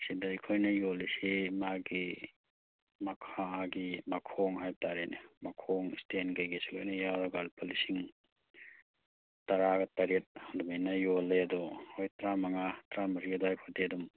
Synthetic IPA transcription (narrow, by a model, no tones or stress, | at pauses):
sidajkʰojnɐjolisimaɡi | mɐkʰaaɡimɐkʰɔŋɦajb̚taɾenimɐkʰɔŋistenɡajɡesi̥lojnɐjawɾaɡalpʰalisiŋ | tɐɾaɡɐtɐɾet̚hadumajnɐjolːeɐdɔojtɾamɐŋatɾamɐɾɡedɔajkʰodeɐdɔm